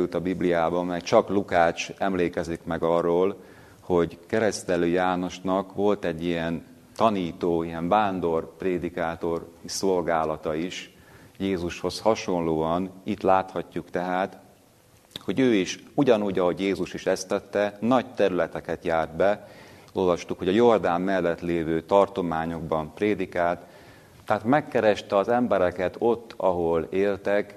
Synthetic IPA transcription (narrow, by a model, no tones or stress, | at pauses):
jut̪ɒbiblijaːbɒmɛkt͡ʃɒklukaːt͡ʃɛmleːkɛzikmɛɡɒrːoːl | ho̞ɟkɛɾɛst̪ɛløːjaːno̞ʃnɒkʋo̞lt̪ɛɟːijɛn | t̪ɒniːt̪oːijɛɱbaːnd̪o̞rpreːd̪ikaːt̪o̞riso̞lɡaːlɒt̪ɒiʃjeːzuʃho̞shɒʃo̞nloːɒnit̪laːt̪hɒcːukt̪ɛɦaːt̪ | ho̞ɟøːiʃuɟɒnuːɟɒɦo̞ɟjeːzuʃiʃɛst̪ːɛt̪ːɛnɒɟt̪ɛɾylɛt̪ɛkɛt̪jaːrd̪̚bɛo̞lvɒʃt̪ukho̞ɟɒjo̞rd̪aːmːɛlːɛt̪leːvøːt̪ɒrt̪o̞maːɲo̞ɡ̚bɒmpreːd̪ikaːlt̪ː | ɛaːt̪mɛkːɛɾɛʃt̪ɛɒzɛmbɛɾɛkɛt̪o̞t̪ːɒɦo̞leːlt̪ɛk